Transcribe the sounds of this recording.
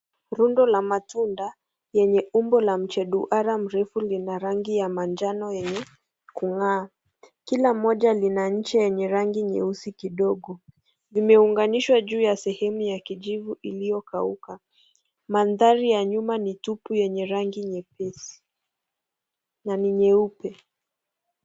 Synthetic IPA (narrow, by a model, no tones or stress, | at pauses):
ɾundɔlamatunda | jɛɲɛumbɔlam̩t͡ʃɛɗuʔaɾam̩ɾɛfulinaɾaŋɡijamand͡ʒanɔjɛɲɛ | kuŋaː | kilamɔʄalinaɲ̩t͡ʃɛjɛɲɛɾaŋɡiɲɛusikiɗɔɡɔ | zimɛuŋɡaniʃwaʄuːjasɛhɛmujakiʄivuʔilijɔkauka | manðaɾijaɲumanitupujɛɲɛɾaŋɡiɲɛpɛsi̥ | naniɲɛupɛ